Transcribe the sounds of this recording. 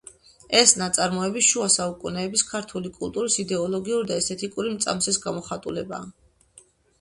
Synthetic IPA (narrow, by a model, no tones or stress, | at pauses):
ɛsnat̪sʼaɾmɔɛbisʃuasaukʼunɛːbiskʰaɾt̪ʰulikʼṵlˠt̪ʼuɾisid̪ɛɔlˠɔɡiuɾid̪aɛsɛt̪ʰikʼuɾimt̪sʼa̰msɛsɡamɔχat̪ʼṵlɛba̰ː